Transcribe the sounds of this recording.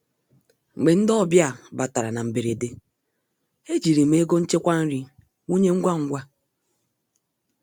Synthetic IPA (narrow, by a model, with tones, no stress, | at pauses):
ŋ͡m̩˨ɡ͡be˨n̩˦dɔ˦˨bja˦˨ba˨ta˨ɾa˨na˨m̩˨be˨ɾe˨de˦ | e˦d͡ʒi˨ɾi˨me˨˦e˦ɡo˦n̩˦t͡ʃe˦kʷa˦n̩˦ɾi˦ | wu˦ɲe˦ŋ̩˦ɡʷa˦ŋ̩˦ɡʷa˦